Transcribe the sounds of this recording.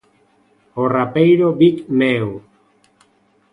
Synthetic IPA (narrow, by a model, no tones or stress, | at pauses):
orapejɾobikmew